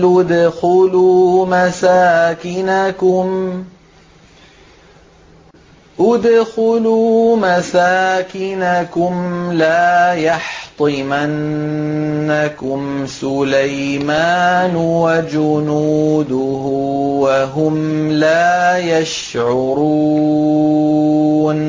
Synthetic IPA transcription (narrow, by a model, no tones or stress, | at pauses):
ʊd̪xʊluːmasaːkɪnakʊm | ʔʊd̪xʊluːmasaːkɪnakʊmlaːjɑħt̪ˤɨmanː | akʊmsʊlajmaːnwad͡ʒʊnuːd̪ʊhʊwaɦʊmlaːjaʃ | ʕʊɾuː | n